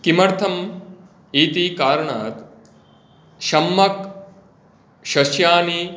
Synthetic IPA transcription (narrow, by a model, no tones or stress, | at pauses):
kimɐɾt̪ʰɐm | iːt̪iːkaːɾɐɳaːt̪ | ʃɐmːɐk | ʃɐʃjaːni